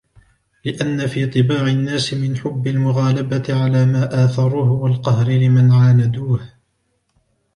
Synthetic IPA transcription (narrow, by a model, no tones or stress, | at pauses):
lɪʔanːafiːt̪ˤɨbaːʕɪnːaːsɪmɪnħʊbːɪlmʊɣaːlabat̪ɪʕalaːmaːʔaːθɑɾˤuːhʊwalqɑhɾɪlɪmanʕaːnad̪uːh